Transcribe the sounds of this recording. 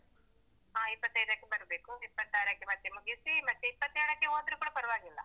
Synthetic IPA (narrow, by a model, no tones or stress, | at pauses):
ɦaːipːɐt̪ːɐjd̪aːkːebɐɾɐbeːkuipːɐt̪ːajɾaːkːemɐt̪ːemuɡisimɐt̪ːeipːɐt̪ːeːɽɐkːeoːd̪ɾukuːɽɐpɐɾɐʋaːɡilːɐ̰